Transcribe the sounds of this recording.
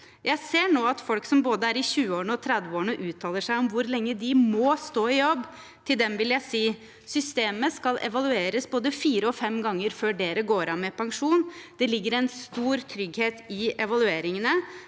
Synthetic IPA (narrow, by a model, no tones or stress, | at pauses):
jʔæɪseːɳoːɑt̪fɔlksɔmboːd̪əæɾɪɕʉːəoːɳəɔt̪ʰɾɛd̪ʋəoːɳəʔʉːt̪ʰɑːləʂæɪɔmʋʊɾlɛŋːəd̪ɪmɔst̪oːɪjɔbː | t̪ʰɪld̪ɛmʋɪljæɪsiː | sʏst̪eːməskɑlʔɛ̰ʋɑlʉeːɾəsboːd̪əfiːɾəɔfɛmːɡɑŋːəɾføːɖeːɾəɡoːɾɑnmɛpʰɑŋʂuːnd̪̥ɛlɪɡːəɾɛɪnst̪uːɾt̪ʰɾʏɡheːt̪ɪɛʋɑlʉeːɾɪŋənə